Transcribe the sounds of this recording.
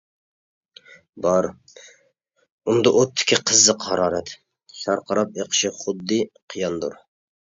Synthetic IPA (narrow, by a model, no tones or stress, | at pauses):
bɑɾ | und̪ɑʔot̪ʰːɪ̥kʲʰiqʰəzːɨqhɑɾɑːɾɛt̪ | ʃɑɾqʰɑɾɑp̚eqʰə̥ʃɪχʊd̪ːɨqʰijɑnd̪ṵɾ